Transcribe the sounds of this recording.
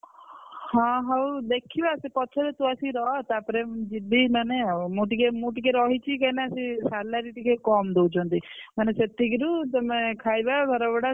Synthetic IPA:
hɔ̃ɦawd̪ekʰibasipɔt͡ʃʰɔɾet̪uasiɾɔɦt̪apɔɾed͡ʒibinɔnemuʈikemuʈikeɾɔɦit͡ʃʰikanasisalaɾiʈikʰekɔmd̪ewt͡ʃʰɔnt̪imaneset̪iɡiɾut̪ɔmẽkʰajbabʱɔɾɔbɔɽa

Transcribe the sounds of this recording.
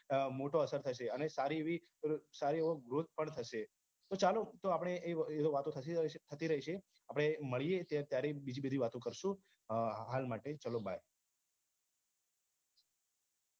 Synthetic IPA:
moʈoəsəɾt̪ʰəʃeənesaɾieʋi | saɾieʋoɡɾot̪̚pəɳt̪ʰəʃe | t̪ot͡ʃalot̪oapɽ̃eʔːed̪oʋat̪õt̪ʰəit̪ʰət̪iɾəɦiʃʰe | apɽ̃eməɭijet̪at̪jaɾebid͡ʒibəd̪ʱiʋat̪õkəɾʃũ | ɦalmaʈet͡ʃəloba̰j

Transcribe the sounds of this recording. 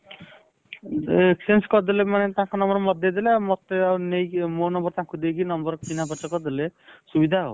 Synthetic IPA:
eksenskɔd̪elemanet̪ãɦãkonɔmbɔɾɔmɔd̪̚jɔd̪eleamɔt̪eanejmonɔmbɔɾt̪ãɦãkud̪ekʰinɔmbɔɾkkinabɔt͡ʃɔkɔd̪elesubid̪ʱaɦo̰

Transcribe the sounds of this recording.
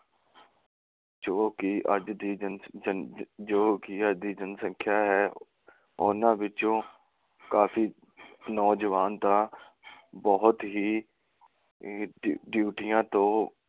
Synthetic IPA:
d͡ʒoːkɪəd͡ʒd̪iːn | d͡ʒoːkɪəd͡ʒd̪iːd͡ʒənsə̃ŋkʰjaːɦɛː | ʊnãːʋɪt͡ʃõː | kaːpʰiː | nɔːd͡ʒəʋaːnt̪ãː | bɔːɦʊt̪ɦiː | ɖjuːʈɪjãːt̪õː

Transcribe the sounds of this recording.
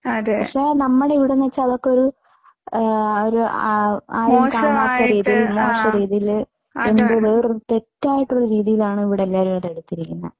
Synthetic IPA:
ɐðpɐkʂe̞ːnɐmːɐɽeiʋiɽenet͡ɕːɐɐðo̞kːeo̞ɾu | oɾu | aːɾumkaːmaːt̪ːɐriːðijilmoːʂɐɾiːðijil | enboðɨrt̪e̞tːaːjiʈːoɭːɐɾiːðijilaːɳɨiʋiɽeɐlːaːɾuɐɽeɽut̪ːiɾikʲːunːɐ̰

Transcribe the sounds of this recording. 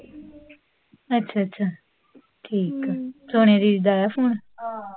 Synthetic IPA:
ətːʃʰaːətːt͡ʃʰaː | ʈʰiːksoːɳ̃ẽːɾiːd̪aːjaːpʰuːɳ

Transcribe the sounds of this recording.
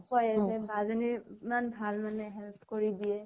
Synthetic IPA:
kɔjɛbazɔnimanbʱalmanɛɦɛlpʰkoɹidiɛ

